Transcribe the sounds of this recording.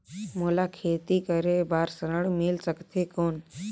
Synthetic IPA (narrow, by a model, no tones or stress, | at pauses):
moːlakʰeːt̪ikəɾebaːɾsəɾəɽmilsəkt̪ʰekoːn